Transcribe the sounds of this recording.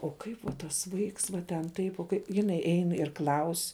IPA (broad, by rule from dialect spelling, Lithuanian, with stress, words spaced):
oː ˈkɐɪp ʋɐ tɐs ˈʋɐɪks ʋɐ tʲɛn ˈtɐɪp oː ˈkɐɪ jɪˈnɐɪ ˈɛɪn ɪr ˈklˠɐʊsʲ